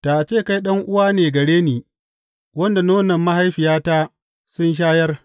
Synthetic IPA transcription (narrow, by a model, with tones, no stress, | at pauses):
ta˨t͡ʃeː˦˨ka˦jɗɐ˦ŋʔʊ˦waː˦neː˨ɡɐ˨ɽeː˦niː˨ | wɐ˦nda˨noː˦nɐ˨mːa˦ha˦jɸɪ˨jaː˦ta˦ | sʊ˦nʃ̬aː˦jɐ˦r